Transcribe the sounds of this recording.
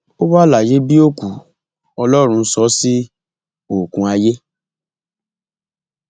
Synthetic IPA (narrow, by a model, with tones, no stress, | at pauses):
o˦ba˦˨la˨je˦bi˦o˦ku˨ | ɔ˧lɔ˦ɾ̃ũ˧sɔ˨˦si˦ | o˨kũ˧a˧je˦